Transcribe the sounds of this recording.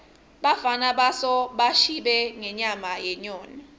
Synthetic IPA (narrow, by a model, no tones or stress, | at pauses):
ɓafanaɓasɔɓaʃiɓɛŋɛɲamajɛɲɔːni